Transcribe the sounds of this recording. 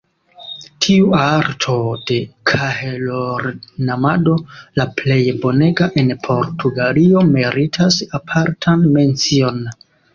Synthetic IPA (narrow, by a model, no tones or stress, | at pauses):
tʰiuaɾtʰo̞d̥e̞kʰaheloɾnamado̞laple̞jbo̞ne̞ɡaʔe̞npʰo̞ɾtʰuɡalio̞meɾitʰasapʰaɾtʰanme̞nt͡sio̞n